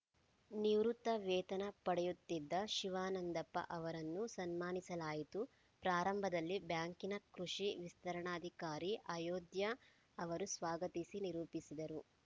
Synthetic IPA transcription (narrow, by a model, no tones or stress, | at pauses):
niwɾut̪ːɐʋɛːt̪ɐnɐpɐɽɛjut̪ːid̪ːɐʃiʋaːnɐnd̪ɐpːɐ̰ʔɐʋɐɾɐnːusɐnmaːnisɐlaːjit̪u | pɾaːɾɐmbʱɐd̪ɐlːibjaːŋkinɐkɾuʂiʋist̪ɐɾɐɳaːd̪ʱikaːɾiʔɐjoːd̪jɐː | ʋɐɾusʋaːɡɐt̪isiniɾuːpisid̪ɐɾu